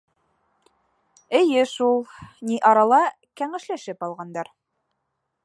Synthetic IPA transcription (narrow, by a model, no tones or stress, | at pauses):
ɘ̆jɘʃulˠniʔɑɾɑlˠɑ | kæŋɘ̆ʃlæʃɘpɑlˠʁɑnd̪ɑɾ